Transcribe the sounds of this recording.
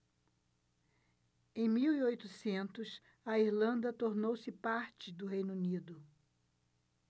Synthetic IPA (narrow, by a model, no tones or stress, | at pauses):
ẽj̃miwiojt̪usẽnt̪ʊs | ɐiɾlɐ̃nd̪ɐt̪oɾnowsɪpaɾt͡ʃɪd̪ʊɦẽjnunid̪ʊ